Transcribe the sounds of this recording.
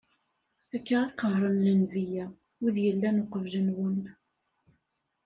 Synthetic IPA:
ækːaʁɑqəɦɾˤənlənvijæ | iðjəlːænoqəvʒənwən

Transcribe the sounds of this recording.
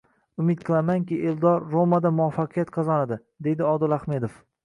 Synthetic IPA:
ʊmɪt̪̚qʰɨlˠamaŋkʲɪʔeld̪ɒɾːomad̪amʊafːɑqʰijat̪qʰɑzanad̪ɪ | d̪e̞jd̪ɪɒd̪ɪlˠahme̞d̪of

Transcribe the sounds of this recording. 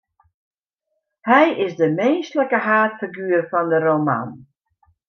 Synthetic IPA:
hɛjʔɪsdəmeːstləkəɦaːtfiɡyːrfɔndərowma̰n

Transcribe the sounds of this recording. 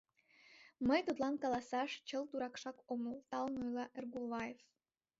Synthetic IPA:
məjt̪ot̪lˠɑnkɑlˠɑsɑʃt͡ɕəlt̪uɾɑkʃɑkoməlˠt̪ɑlˠnojlˠɑʔerɡulˠvɑjef

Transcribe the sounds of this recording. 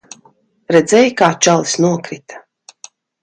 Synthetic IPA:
ɾɛd̪zɛjkaːt͡ʃalˠsnuɔkɾit̪ḁ

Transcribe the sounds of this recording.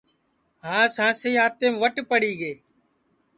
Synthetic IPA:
ɦãːsãːsəiːɦaːt̪ẽːmʋəʈpəɽiːɡeː

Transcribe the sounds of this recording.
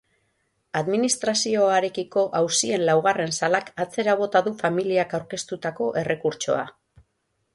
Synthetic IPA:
aðminist̪ɾasio̞aɾe̞kiko̞ʔawsie̞nlawɣ̞are̞nsalakat͡se̞ɾaβ̞o̞t̪aðufamiliakawɾke̞st̪ut̪ako̞ʔe̞rʔe̞kuɾt͡ʃo̞̰a̰

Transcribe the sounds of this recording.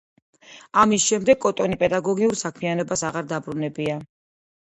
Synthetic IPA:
amisʃɛmd̪ɛɡkʼːɔt̪ʼɔnipʼɛd̪aɡɔɡiuɾsakʰmianɔbasaʁaɾd̪abɾunɛbia

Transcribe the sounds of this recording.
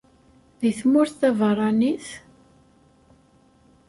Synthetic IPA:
ðiθmʊɾθθævərˤɑniθ

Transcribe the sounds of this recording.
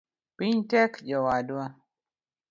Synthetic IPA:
piɲtɛkd͡ʒɔwadwa

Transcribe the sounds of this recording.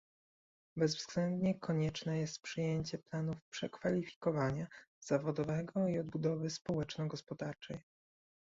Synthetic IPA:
bɛzvz̥ɡlɛnd̪ɲɛkɔɲɛt͡ʂnɛjɛst̪̚pʂɘjeɲt͡ɕɛplanufpʂɛkfalʲifʲi̥kɔvaɲaz̥avɔd̪ɔvɛɡɔiɔd̪bud̪ɔvɘspɔwɛt͡ʂnɔɡɔspɔd̪aɾt͡ʂɛj

